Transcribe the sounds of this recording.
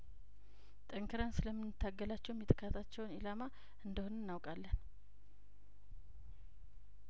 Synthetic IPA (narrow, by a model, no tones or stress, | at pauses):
t̪ʼəŋkʰəɾansɨləmːɨnɨt̪ʰːaɡːəlat͡ʃːɛwmːit̪ʼɨkʰat̪ʰat͡ʃːɛwnilama | ɨnd̪əho̞nənːawkʼalːən